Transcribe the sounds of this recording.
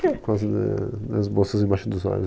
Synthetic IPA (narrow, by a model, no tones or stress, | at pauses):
kazɪnɛ̰d̪ɐzbosɐzẽbajʃʊd̪ʊza̰ʎʊ